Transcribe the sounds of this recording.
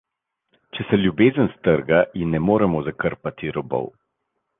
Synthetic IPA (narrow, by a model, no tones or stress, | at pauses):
t͡ʃɛsɛljubeːzənst̪əɾɡajimnɛmoːɾɛmɔzakəɾpat̪iɾɔbɔ̰w